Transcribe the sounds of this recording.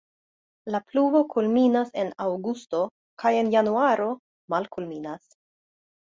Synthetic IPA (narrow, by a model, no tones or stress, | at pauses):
laplubo̞kʰulminase̞nawɡusto̞ | kaje̞njanuaɾo̞ | malkulminas